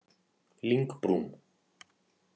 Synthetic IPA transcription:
liŋkpɾum

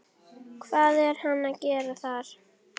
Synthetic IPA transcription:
kʰvaːðɛɾ̥hanːaðcɛːɾaθaɾ̥

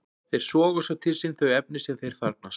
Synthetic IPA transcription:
θejɾ̥sɔːɣʏsawt̪ʰɪlsɪnθœɥjɛp̚nɪsɛnθejɾ̥θvaɾt̪̚nas

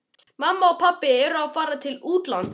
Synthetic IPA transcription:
mamːaɔpʰapːɪɛɾaðfaːɾat̪ʰɪluːt̪lant̪

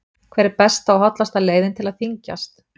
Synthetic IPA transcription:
kʰvɛːɾɪɾpɛst̪aɔwɦɔt̪last̪aleːjðɪnt̪ʰɪlaðθiɲca̰st̪

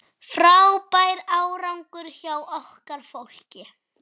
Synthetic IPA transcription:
fɾawpajɾawɾawŋkʏɾ̥çawɔhkaɾ̥fowl̥cɪ

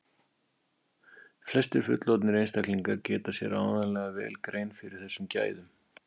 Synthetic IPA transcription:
flɛst̪ʏɾ̥fʏ̰t̪lɔwt̪nɪɾejnst̪akliŋkaɾcɛːt̪asjɛɾaːwðanlɛɣavɛ̰ːlkɾeːjnfɪɾɪɾ̥θɛsːʏmca̰ːjðʏm

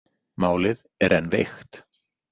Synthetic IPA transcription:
maːwlɪð | ɛɾɛnːvext̪

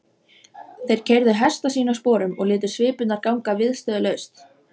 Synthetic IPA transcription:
θejɾ̥cʰɛjɾðɪɦɛst̪asiːnaspɔːɾʏmɔ̰ɣlɪːt̪̬ɪ̥svɪːpʏt̪naɾkawŋkavɪðst̪œːðʏlœɥst̪

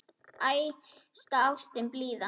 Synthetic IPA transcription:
ajst̪aawst̪ɪnpliːða

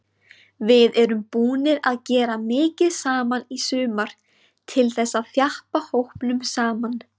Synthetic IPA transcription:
vɪðɛɾʏmpuːnɪɾaðcɛːɾamɪːcɪðsaːmanisʏːmaɾ̥ | t̪ʰɪlθɛsːaðθjahpahowhpnʏmsaːman

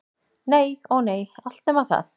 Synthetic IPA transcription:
neːjɔɣneːjal̥t̪̚nɛmaθa̰θ

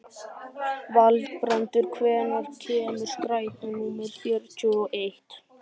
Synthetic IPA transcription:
valt̪pɾant̪ʏɾ̥kʰvɛːnaɾcʰɛːmʏ̥st̪ɾaːjt̪anuːmɪɾfjɛɾcɔɔʔejht̪

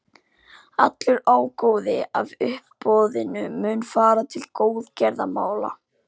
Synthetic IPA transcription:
at̪lʏɾaːwkoːwðɪavʏhpːɔːðɪnʏmʏːnfaːɾat̪ʰɪlkoːwðcɛɾðamaːwla̰

